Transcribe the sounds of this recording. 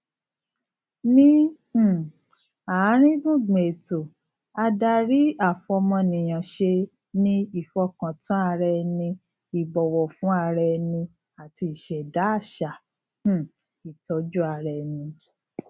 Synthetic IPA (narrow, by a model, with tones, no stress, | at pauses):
nĩ˦˨ | a˨˦ɾ̃ĩ˦ɡũ˦˨ɡ͡be˨to˨ | a˧da˧ɾi˦a˦˨fɔ˧mɔ̃˧nĩ˨j̃ã˨ʃe˧ | nĩ˦i˦˨fɔ˧kã˨tã˨˦a˧ɾɛ˧nĩ˧ | i˨bɔ˨wɔ˨fũ˨˦a˧ɾɛ˧nĩ˧ | a˨ti˧i˨ʃɛ˨da˨˦a˦˨ʃã˨˦˨ | i˨tʰɔ˨˦d͡ʒu˦a˨˧˨ɾɛ˧˨nĩ˧